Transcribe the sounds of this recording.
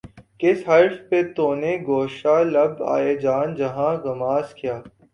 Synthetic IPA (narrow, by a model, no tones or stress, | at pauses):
kɪsɦɐɾfpet̪oːneɡoːʃalɐba̰ːed͡ʒaːnd͡ʒɐɦãɡɐmaːskɪjaː